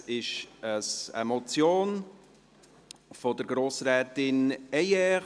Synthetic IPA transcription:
ɪʃəsə̰mɔt͡sjoːn | fɔd̪əɾɡɾoːsɾɛːt̪ɪnɛjɛ

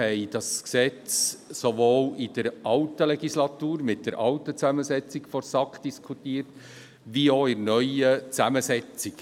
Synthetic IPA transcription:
hɛɪd̥ɑsksɛt͡ssoʋoːlɪd̥əɾʔɑltəlɛɡislɑtuːɾmɪt̚d̥əɾʔɑltət͡sæməsɛt͡sikfɔɾsɑkd̥iskʰutiːəɾt | ʋioɪɾnœʏət͡sæməsɛt͡sik

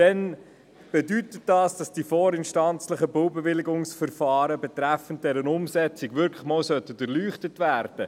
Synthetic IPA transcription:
d̥ɛn | b̥ɛdytət̚dɑːsd̥ɑsd̥iːfɔːɾɪnʃtɑnt͡sləχəbowbɛvɪliɡʊŋsfəɾfɑːɾəbɛtɾæfənt̚d̥ɛɾənʊmsɛt͡sɪɡʋʏɾkʰləχmɔːwsœtːədərlyːχtətvæːɾd̥ə

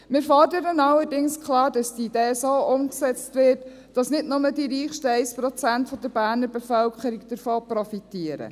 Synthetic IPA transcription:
mɪːɾfɔɾdəɾənɑlːəɾdɪŋskʰχlɑːɾd̥ɑsd̥iid̥eːsoːʔʊmksɛt͡stʋɪt | d̥ɑsnɪdnʊmədiɾiːχʃtəɛɪspɾɔt͡sæntfɔd̥əɾb̥æːɾnəɾbɛfœlkχəɾiɡd̥əɾfoːpɾɔfitiəɾə̰

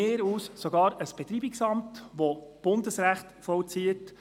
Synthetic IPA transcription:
eːɾuːssɔɡɑːɾəsb̥ɛt̪ɾiːbiksɑmtʋob̥ʊndəsɾæχt̪fɔlt͡siət

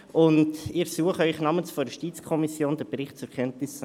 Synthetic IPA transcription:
ʔʊndɪɾsuəχəœʏχnɑːmənsfɔɾjuʃtiːt͡skʰɔmisjoːnd̥əɾbɾɪχtt͡suɾkʰɛntnɪs

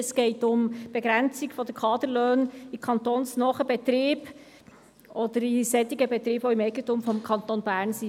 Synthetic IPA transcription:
sɡ̥ɛɪtʊmb̥ɛɡɾɛnt͡sɪɡfɔdəɾkʰɑːd̪əɾløːnikʰɑnt̪oːnsnɔχəb̥ɛt̪ɾiːb̥ | ʔɔd̥̪əɾisɛt̪iɡəbɛt̪ɾiːb̥voimɛɪɡəntumfɔmkʰɑnt̪onbæːɾnsi

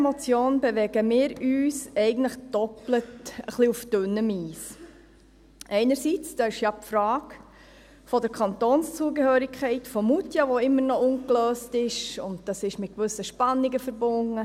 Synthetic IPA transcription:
ɛmot͡sjoːnbɛʋɛɡ̥əmɪːɾyːsɛɪɡən̩tləχd̥ɔplətəχliufd̥ʏnːəmiːs | ʔɛɪnəɾsit͡sd̥ɑːɪʃjɑpfɾɑːk | fɔdəɾkʰɑntoːnst͡suːəɡəhøːɾɪkχɛɪtfɔmutjɑʋoɪmːəɾnɔʊnkløːstɪʃʊnt̚d̥ɑsɪʃmɪt̚kʋʏsəʃpɑnːiɡəfəɾbʊnə

